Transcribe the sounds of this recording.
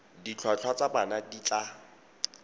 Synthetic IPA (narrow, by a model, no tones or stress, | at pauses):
dit͡ɬʰwat͡ɬʰwat͡sabanadit͡ɬa